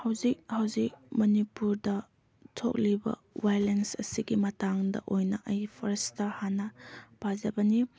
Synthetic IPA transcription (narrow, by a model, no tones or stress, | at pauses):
hɐwzik̚hɐwzik̚mɐnipuɾdɐ | tʰo̰k̚libɐ̰ | wajlensɐsiɡimɐtaŋdɐ̰ʔojnɐʔɐjpʰoɾestɐhanɐb̥azɐbɐni